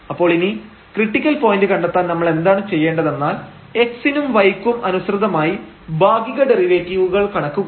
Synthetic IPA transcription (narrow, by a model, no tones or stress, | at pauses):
ɐpːo̞ːɭini | kriʈːikʲːɐlpo̞ːjindɨkɐɳɖet̪ːaːnɐmːɐɭe̞nd̪aːɳɨt͡ɕe̞jːe̞ːɳɖɐðe̞nːaːl | e̞ksinumʋɐjkːumʔɐnusrɨd̪ɐmaːji | bʱaːɡiɣɐɖe̞riʋeːtːiʋuɣɐɭkɐɳɐkːuɣɐ